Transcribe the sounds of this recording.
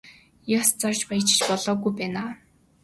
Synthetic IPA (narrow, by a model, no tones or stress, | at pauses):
jast͡sart͡ɕpajt͡ɕɪ̥̆t͡ɕpɔɮɔːɣujpæːnaː